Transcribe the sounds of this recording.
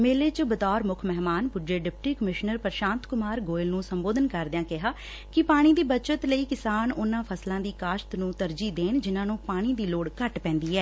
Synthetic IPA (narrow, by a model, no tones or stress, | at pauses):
meːleːt͡ʃəbət̪ɔːɾmʊkʰmɛɦmaːnpʊd͡ʒeːɖɪp̚ʈiːkəmɪʃnəɾpəɾʃãːnt̪kʊmaːɾɡoːɪlnũːsəmboːd̪ənkəɾd̪jãːkɪɦaː | kɪpaːɽ̃iːd̪iːbət͡ʃət̪ləiːkɪsaːnʊnãːpʰəslãːd̪iːkaːʃt̪nũːt̪əɾd͡ʒiːd̪eːnd͡ʒɪnãːnũːpaːɽ̃iːd̪iːloːɽkəʈpɛ̃ːnd̪iːɛː